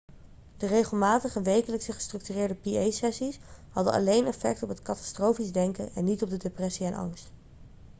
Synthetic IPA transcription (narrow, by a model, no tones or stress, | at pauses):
d̥ərejχəlˠmaːtəχəʋejkələksəχə̥strɵk̚tyrɪːɹdəpiejsɛsisɦɑdənɑ̰lejnɛfɛk̚tɔpɦətkɑtɑ̥strowfizdɛŋkəʔɛ̰nːitɔb̚dədeprɛsiɛnʔɑ̰ŋst